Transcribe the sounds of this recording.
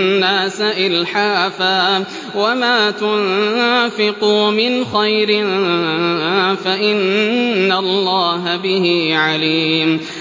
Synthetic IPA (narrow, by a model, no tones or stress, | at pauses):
aːsaʔɪlħaːfaː | wamaːt̪ʊnfɪquːmɪnxajɾɪ | faʔɪnːalːɑːɦabɪhiːʕaliːm